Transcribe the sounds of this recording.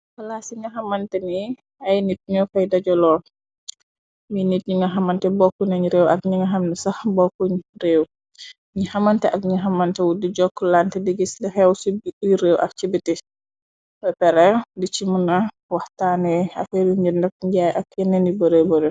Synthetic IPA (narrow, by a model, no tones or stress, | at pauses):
fɐlaːsiɲɐɦɐmɐntɛni | ɐjnit̚ɲɔfɐjdɐɟɔlɔː | minit̚ɲiŋɡɐɦɐmɐntɛbɔkːuɲɐɲiɾeːwʔɐ̰k̚ɲiŋɡɐɦɐmnisɐxbɔkːuɲreːw | ɲihɐmɐntɛʔɐk̚ɲiɦɐmɐntɛwudiɟɔkːlantɛdiɡislixɛwsiɾeːwʔɐ̰k̚t͡ʃibiti | wɛpɛɾɛdit͡ʃimunɐ | wɐhtaːnɛɐ̰fɛɾiɲiɾndɐk̚ɲɟajʔɐkjɛnɛnibɔɾebɔɾe